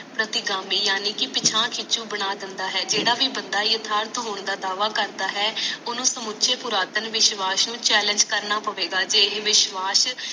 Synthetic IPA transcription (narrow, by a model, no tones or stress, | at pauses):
pɾət̪ɪɡaːmiːjaːniːkɪpɪt͡ʃʰãːkʰɪt͡ʃũːbəɳ̃aːd̪ɪnd̪aːɦɛːd͡ʒeːɽaːʋiːbənd̪aːiət̪ʰaːɾt̪ɦoːɳ̃d̪aːd̪aːʋaːkəɾd̪aːɦɛːʊnõːsəmʊʃʰeːpʊɾaːt̪ənʋɪʃʋaːsnũːt͡ʃɛːlə̃ɲd͡ʒkəɾnaːpəʋeːɡaːd͡ʒeːʋɪʃʋaːs